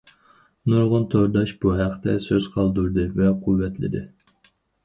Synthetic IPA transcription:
nuɾʁʊnt̪ʰoɾd̪ɑʃb̥uɦæqt̪ʰɛsøz̥qʰɑlˠd̪uɾd̪ɨvɛqʰuvːɛt̪ʰlɪ̰d̪ɪ

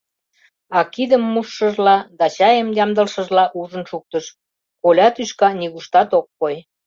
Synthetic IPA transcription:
ɑkid̪ə̆mːuʃːə̆ʒlɑd̪ɑt͡ɕɑjəmjɑmd̪ə̆lʃə̆ʒlɑʔuʒənʃuk̚t̪ə̆ʃ | kolʲɑt̪yʃkɑniɣuʃt̪ɑt̪okːoj

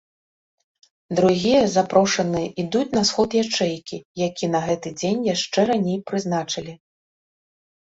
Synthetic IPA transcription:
d̪ɾuɣʲijɐzapɾɔʂɐnɨjɛʔid̪ut͡sʲnɐsxɔt̪jat͡ʂɛjkʲijakʲinɐɣɛt̪ɨd͡zʲenʲjaʂt͡ʂɛɾanʲejpɾɨznat͡ʂɐlʲi

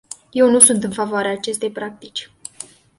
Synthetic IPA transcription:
je̞wnusunt̪ɨnfavoaɾeaːt͡ʃe̞st̪e̞jpɾak̚t̪it͡ʃʲ

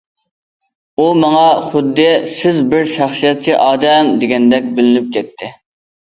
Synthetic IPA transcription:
umɑŋɑχʊd̪ːɪsɪzbɪɾʃɑχsijɛt̪̚t͡ʃʰiʔɑːd̪ɛmd̪eɡʲɛnd̪ɛk̚ʲbɪlɪnyp̚kʲʰɛt̪ʰːɪ

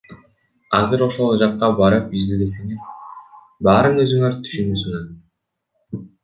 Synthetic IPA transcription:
ɑzɯɾo̞ʃo̞lˠd͡ʒɑqːɑbɑɾɯpizd̪ed̪eseŋe̞ɾ | bɑːɾɯnø̞zyŋeɾt̪ʰy̥ʃynbøsyŋeɾ

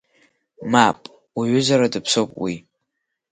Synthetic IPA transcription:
mapʼ | aɥʏzaɾadɨpʰsowpʼwi

